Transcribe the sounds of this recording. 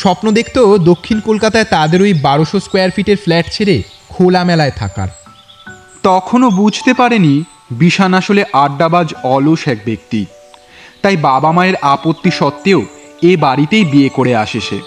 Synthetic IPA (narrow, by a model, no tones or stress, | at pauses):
ʃɔpnod̪ekʰt̪od̪okʰːinkolkat̪aet̪ad̪eɾojbaɾoʃoskwejaɾfiʈeɾflɛʈt͡ɕʰeɾe | kʰolamɛlaet̪ʰa̰ka̰ɾ | t̪ɔkʰonobud͡ʑʱt̪epaɾeni | biʃanaʃoleʔaɖːabad͡ʑɔloʃɛk̚bek̚t̪i | t̪ajbabamaeɾapot̪ːiʃɔt̪ːeo | ebaɾit̪ejbiekoɽeaʃet͡ɕʰḛ